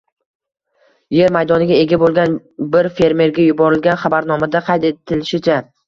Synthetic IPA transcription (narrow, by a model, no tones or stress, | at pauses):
je̞ɾmajd̪ɒnɪɡʲae̞ɡʲabolˠɡʲan | bɪɾfe̞ɾme̞ɾɡʲajʊbɒɾɪlɡʲanχɑbaɾnɒmad̪aqʰɑjt̪e̞t̪ʰɪlɪʃɪt͡ʃʰa